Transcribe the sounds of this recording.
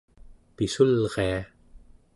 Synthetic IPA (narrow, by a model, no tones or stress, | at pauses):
pisulʁea